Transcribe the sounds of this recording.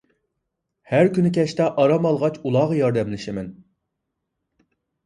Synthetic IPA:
hæɾkʲynɪkʲʰɛʃt̪ɛʔɑɾɑmɑlˠʁɑt͡ʃulˠɑːʁɑjɑɾd̪ɛmlɪʃɪmɪn

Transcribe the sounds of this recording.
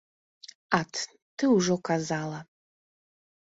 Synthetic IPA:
atʰ | t̪ʰɨuʐokʰazalˠa

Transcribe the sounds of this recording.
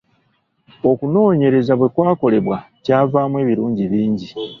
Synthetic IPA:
o̞kuno̞ːɲe̞ɾe̞zaβwe̞kwaːko̞le̞βwa | caːvaːmwe̞ːβiɾuːɲɟiβiːɲɟi

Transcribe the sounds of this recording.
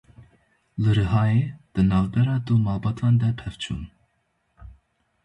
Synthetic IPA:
ləɾəɦɑjɛd̪̥ənɑvbɛɾɑd̪umɑbɑt̪ʰɑnd̪ɛpʰɛvt͡ʃʰṵn

